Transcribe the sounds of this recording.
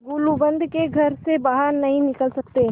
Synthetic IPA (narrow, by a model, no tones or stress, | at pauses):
ɡulubə̃nd̪ʱkeɡʱɐɾsebaːɦəɾnɐɦĩnɪkəlsɐk̚t̪e